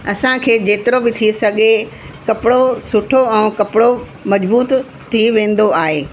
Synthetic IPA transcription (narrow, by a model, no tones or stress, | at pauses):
ɐsãkʰeːd͡ʑeːt̪ɪɾobɪt̪ʰisɐɡʱe | kɐpɪɽosʊʈʰoɛ̃ːkɐpɪɽo | mɐd͡ʑbuːt̪ | t̪ʰːiʋẽːn̆d̪oaːɦeː